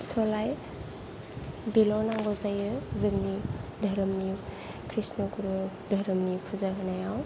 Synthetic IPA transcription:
sɔlaj | bilɔnaŋɡɔzajɯzɯknidʱɐɾɯmni | kʰɾisnɔkuɾu | dʱɐɾɯmnipʰuzaɡanajaw

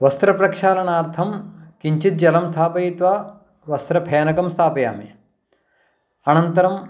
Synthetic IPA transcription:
ʋɐst̪ɾɐpɾɐkʃaːlɐnaːɾt̪ʰɐmkiɲt͡ʃit̪̚d͡ʒɐlɐmst̪ʰaːpɐjit̪ʋaː | ʋɐst̪ɾɐpʰeːnɐkɐmst̪ʰaːpɐja̰ːmḭ | ɐnɐnt̪ɐɾɐm

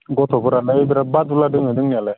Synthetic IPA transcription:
ɡɔt̪ʰɔbɯɾalaebiɾabad̪uladɯŋɦɯdɯŋniala

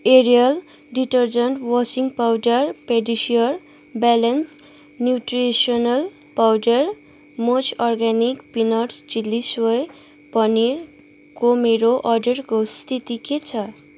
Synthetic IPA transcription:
eɾijʌl | ɖiʈʌrd͡zʌɳʈwʌsiŋɡpawɖʌrpeɖisijʌr | balens | njuʈresionʌl | pawɖʌr | mot͡sʰɔrɡanikpinʌɾsd͡zilːiswʌj | pʌniɾ | komeɾoʔʌɖʌrkost̪ʰit̪iket͡sʰʌ

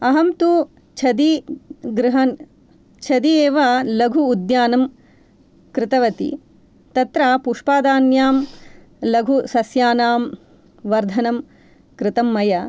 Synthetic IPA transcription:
ɐɦɐmt̪u | t͡ʃʰɐd̪iɡɾɪɦɐn | t͡ʃʰɐd̪ieːʋɐlɐɡʱuːd̪jaːnɐm | kɾɪt̪ɐʋɐt̪ḭ | t̪ɐt̪ɾapuːʂpaːd̪aːnjaːm | lɐɡʱusɐsjaːnaːm | ʋɐɾd̪ʱɐnɐm | kɾɪt̪ɐmːɐjɐ

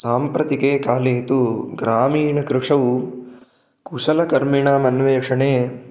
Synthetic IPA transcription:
saːmpɾɐt̪ikeːkaːleːt̪uɡɾaːmiːɳɐkɾɪʂɐʋu | kusɐlɐkɐɾmiɳaːmɐnʋeːkʂɐɳeː

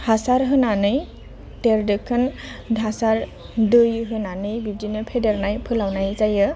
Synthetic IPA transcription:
hasaɾɦɯnanɯj | teɾdɯkʰːɯndʱasaɾ | dɯjɦɯnanɯjbib̚d͡ʒinɯpʰedeɾnajpʰɯlawnajzajɯ

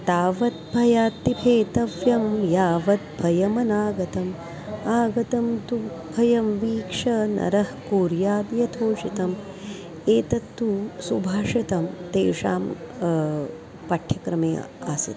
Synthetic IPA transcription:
t̪aːʋɐt̪̚bʱɐjaːt̪ːipʰeːt̪ɐʋjɐmjaːʋɐt̪̚bʱɐjɐmɐnaːɡɐt̪ɐm | aːɡɐt̪ɐmt̪u | bʱɐjɐmʋiːkʂɐnɐ̰ɾɐhkuːɾjaːd̪jɐt̪ʰoːʃit̪ɐm | eːt̪ɐt̪ːusubʱaːʂɐt̪ɐmt̪eːʂa̰ːm | pɐʈʰjɐkɾɐmeːa̰ːsɐ̰t̪

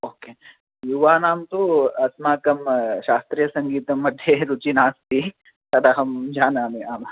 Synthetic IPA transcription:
oːkeː | juʋaːnaːmt̪oɐsmaːkɐmʃaːst̪ɾijɐsɐŋɡiːt̪ɐmːɐd̪ʱjeɾut͡ʃinaːst̪i | sɐd̪aɦɐmd͡ʒaːnaːmiaːma

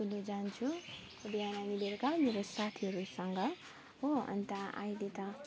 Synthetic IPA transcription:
ulod͡zant͡sʰu | ubiananileɾkameɾosat̪ʰiɦʌɾusʌŋɡʌ | ɦoʌ̰nt̪aa̰jlet̪ʌ

